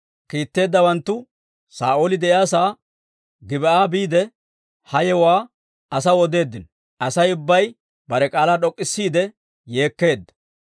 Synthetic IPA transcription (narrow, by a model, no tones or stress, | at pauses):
kiːt̪ːe̞ːd̪ːɐwɐnt̪ːʊ | sa̰ːʔoːlɪd̪ɛʔjaːsaː | ɡɪbɛaːbiːd̪ɛ | hɐjɛwaː | ɐsɐwɔd̪e̞ːd̪ːɪn | ʔɐsɐjʊbːɐj | bɐɾɛkʼaːlaːɗɔkʼːɪsːiːd̪ɛ | je̞ːkːe̞ːd̪ːɐ̥